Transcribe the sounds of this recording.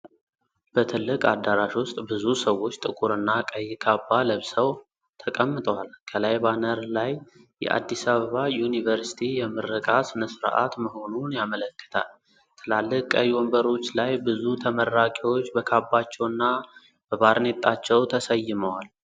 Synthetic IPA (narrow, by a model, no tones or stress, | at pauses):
b̥ət̪ʰɨlːɨkʼad̪ːaɾaʃwʊst̪ʼbɨzusəwːo̞t͡ʃːt̪ʼɨkʼuɾɨnːakʼəjːkʰabːaləβsəw | t̪ʰəkʼəmːɨt̪ʼəwalkʰəlajβanəɾlaj | jɛ̰ʔa̰d̪ːisaβəβajunivəɾsi̥t̪ʰijɛmɨɾːəkʼasɨnəsɨɾ̰ʔa̰t̪məho̞nunjamələkːə̥t̪ʰa̰l | t̪ʰɨlalːɨkkʼəjːwɔmbəɾo̞t͡ʃːlajbɨzut̪ʰəməɾːakʼewo̞t͡ʃːbəkʰabːat͡ʃːɛwɨnːa | b̥əβaɾnet̪ʼːat͡ʃːɛwt̪ʰəsəjːɪməwal